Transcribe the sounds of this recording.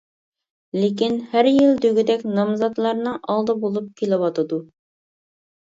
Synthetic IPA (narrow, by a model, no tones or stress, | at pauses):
lek̬ʲinhæɾjilˠd̪øɡʲyd̪ɛkʲnɑmzɑt̪lˠɑɾnɨʔɑlˠd̪ɑbolˠup̚kʲʰelɪwɑt̪ɨd̪u